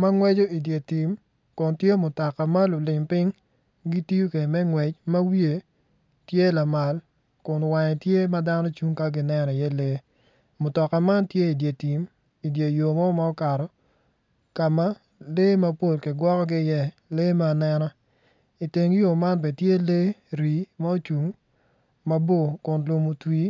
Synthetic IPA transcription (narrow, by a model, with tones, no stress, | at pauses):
ma˦ŋwɛ˦d͡ʒo˦i˨dje˨ti˨m | kʊ˨ntje˦mʊ˨tɔ˨ka˨ma˦lʊ˨lɪ˨mpɪ˦ŋ | ɡi˦ti˦u˦ke˨mɛ˦ŋwɛ˨t͡ʃma˦wje˨ | tje˦la˨ma˨l | kʊ˨nwa˨ɲɛ˨tje˦ma˦da˦nɔ˦t͡ʃu˦ŋka˦ɡɪ˦nɛ˦nɔ˨ɪ˨jɛ˦le˦ | mʊ˨tɔ˨ka˨ma˦ntje˦i˨dje˨ti˨m | i˨dje˨jo˨mɔ˦ma˦ɔ˦ka˨ɾɔ˨ | ka˨ma˦ | le˦ma˦po˦˨lki˨ɡwɔ˦kɔ˦ɡɪ˦˨jɛ˦le˦ma˦˨nɛ˦nɔ˦ | i˨te˨ŋ˦jo˨ma˦nbɛ˨tje˦le˦ɾi˨ma˦o˦t͡ʃu˨ŋ | ma˦bo˦˨kʊ˨nlo˨mo˨twi˦